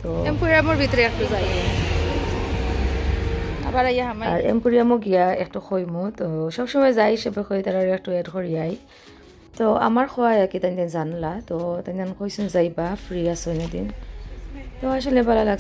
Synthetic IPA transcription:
tɔɛmkuɹiamʊɹbitɔɹɛk̚tʊzaj | a̰baɹajaamaaɹɛ̰mkuɹijamʊɡijaɛ̰k̚tʊxʰojmɔtɔsɔksɔmɛzajsɛbɔkʰɔjtaɹaɹɛk̚tʊɛtkʰɔɹijaj | tɔa̰maɹxʰɔwajakitandanzanlatɔtandankʰojsunzajbapʰɹiasɔjnadḭn | tɛwas̬ɔlɛbalalaɡ

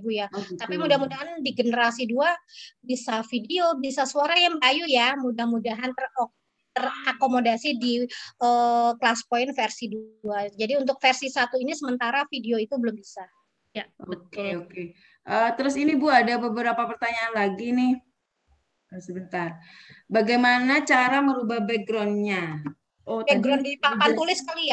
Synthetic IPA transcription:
bujat̪apimudahmudaɦandiɡənəɾasiduabisafideobisasuaɾajaŋblajujamudahmudaɦant̪əro | t̪ərakomodasidiʔəːklaspoɪnfɛrsiduad͡ʒadiunt̪ʊk̚fɛrsisat̪uinisəmənt̪aɾafideoit̪ubəlʊmbisa | jaokeoke | ʔəːt̪əɾʊsinibuadabəbəɾapapərt̪aɲaːnlaɡinɪh | əsəbənt̪ar | baɡajmanat͡ʃaɾaməɾubahbɛɡɾɔnɲa | ʔobɛɡɡɾɔnapanulɪskalia

